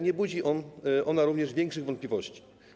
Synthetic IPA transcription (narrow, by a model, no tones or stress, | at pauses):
ɲɛbud͡ʑiʔɔnʔɔnaɾuvɲɛʐvʲjɛŋkʂɘɣvɔnt̪plʲivɔɕt͡ɕi̥